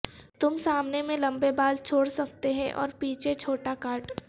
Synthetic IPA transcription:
t̪ʊmsaːmnemẽlɐ̃mbebaːlt͡ʃʰoːɽsɐk̚t̪eɦɛ̃ʔɔ̰ːɾpiːt͡ʃʰet͡ʃʰoːʈakaːɾʈ

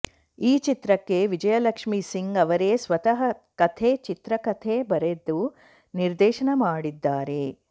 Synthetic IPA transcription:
iːt͡ʃit̪ɾɐkːe̞ʋid͡ʒɐjɐlɐkʂmisiŋɡɐʋɐɾesʋɐt̪ɐɦɐkɐt̪ʰeːt͡ʃit̪ɾɐkɐt̪ʰeːbɐɾe̞d̪ːu | niɾd̪ɛːʃɐɳɐmaːɽid̪ːaːɾe̞

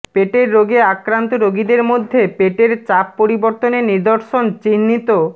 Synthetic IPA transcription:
peʈeɾːoɡeakɾant̪oɾoɡid̪eɾmod̪ʱːepeʈeɾt͡ɕapːoɾiboɾt̪oneniɾd̪oɾʃont͡ɕinːit̪o

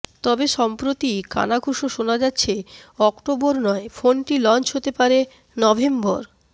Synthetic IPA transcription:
t̪ɔbeʃɔmpɾot̪ika̰naɡʱoʃoʃonad͡ʑatːɕʰeɔkʈoboɾnɔefonʈilɔnt͡ɕɦot̪epaɾe | nɔbʱemboɾ

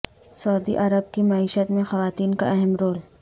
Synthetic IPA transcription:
sɐːd̪ḭʔɐɾəb̚kimɐiːʃət̪mẽxɐʋaːt̪iːnka̰ɛɦəmɾoːl

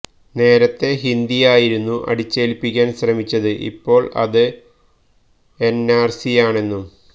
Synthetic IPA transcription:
ne̞ːɾɐt̪ːe̞ɦind̪ijaːjiɾunːuʔɐ̰ɽit͡ɕːe̞ːlpːikʲːaːnɕrɐmit͡ɕːɐðɨʔḭpːo̞ːɭɐ̰ðɨ | e̞nːaːrsijaːɳe̞nːum

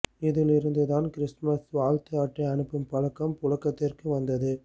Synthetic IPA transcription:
ɪðɪlɪɾɯnd̪ɯðaːnkɪɾɪsmɐsʋaːlt̪ɪaːʈrɐɐɳɯpːɯmpɐɻɐkːɐmpʊɻɐkːɐt̪ːɪrkɯʋɐnd̪ɐðɯ

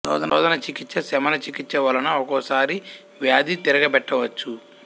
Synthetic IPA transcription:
ɾɔ̰ːd̪ɐɔ̰ːd̪ɐnɐt͡ʃikit͡ʃːɐsɛmɐnɐt͡ʃikit͡ʃːɐʋɐlɐnɐɔkɔːsaːɾi | ʋjaːd̪it̪iɾɐɡɐbɛʈːɐʋɐt͡ʃːu

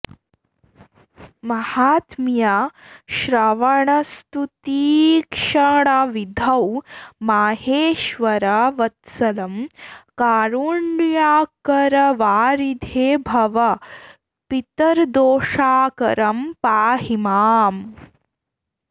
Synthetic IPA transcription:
mɐhaːt̪mjaʃɾɐʋɐɳɐst̪ut̪iːkʂɐɳɐʋid̪ʱɐwmaːɦeːʃʋɐɾɐʋɐt̪sɐlɐmkaːɾuɳːjaːkɐɾɐʋaːɾid̪ʱeːbʱɐʋɐ | pit̪ɐɾd̪oːʂaːkɐɾɐmpaːɦimaːm

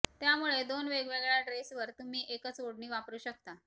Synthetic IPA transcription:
t̪jamuɭed̪onʋeɡʋeɡɭjaɖɾesʋəɾt̪um̤iːʔekət͡sʋoɽɳiːʋapɾuːɕəkt̪a

